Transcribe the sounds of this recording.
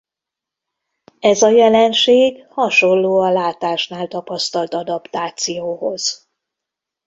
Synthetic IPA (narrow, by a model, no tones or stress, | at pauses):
ɛzɒjɛlɛnʃeːɡhɒʃo̞nːoːɒlaːt̪aːʃn̪aːlt̪ɒpɒst̪ɒlt̪ɒd̪ɒpt̪aːt̪sijoːɦo̞z̥